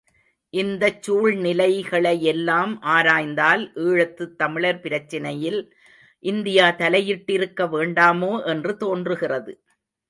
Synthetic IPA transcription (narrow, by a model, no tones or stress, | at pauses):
ʔɪnd̪ɐt͡ʃːuːɭnɪlɐɪɣɐɭɐɪɛlːaːmʔaːɾaːjnd̪aːlʔiːɻɐt̪ːɯt̪ːɐmɪɭɐɾpɪɾɐt͡ʃːɪnɐjɪl | ʔɪnd̪ɪjaːt̪ɐlɐjɪʈːɪɾɯkːɐʋeːɳɖaːmoːʔɛndrɯt̪oːndrɯɣɪrɐðɯ